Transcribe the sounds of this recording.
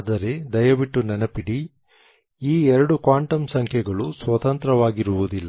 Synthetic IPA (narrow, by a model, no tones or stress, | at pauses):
d̪ɐɾe̞d̪ɐjɐʋiʈːunɛnɐpiɽi | iːɛɾɐɽukʋaːɳʈɐmsɐŋkʰjɛɡɐɭusʋɐt̪ɐnt̪ɾɐʋaːɡiɾuʋud̪ilːɐ